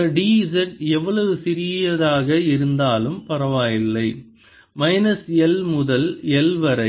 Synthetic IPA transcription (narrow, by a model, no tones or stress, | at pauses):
ɖiːsɛʈɛʋːɐɭɐʋɯsɪɾɪjjɐðaːɣɐɪɾɯnd̪aːlɯmpɐɾɐʋaːjɪlːɐɪ | mɐɪnɐsɛlmʊðɐlɛlʋɐɾɐɪ